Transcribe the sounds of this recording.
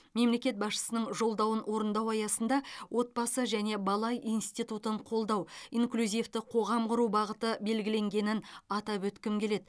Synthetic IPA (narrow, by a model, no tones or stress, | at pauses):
me̞mle̞kʲe̞t̪̚bɑsʃə̥sənəɴʒo̞lˠd̪ɑwənwo̞ɾənd̪ɑwɑjɑsənd̪ɑwʔo̞t̪̚bɑsəʒæne̞bɑlˠɑjʔijnst̪it̪ut̪əɴqʰo̞lˠd̪ɑwiŋklʲuzʲijft̪ɪqʰo̞ʁɑmqʊɾubɑʁət̪əbe̞lɡʲɪle̞ŋɡʲe̞nɪnɑt̪ɑpwɵt̪kʲɪmkʲʰe̞le̞d̪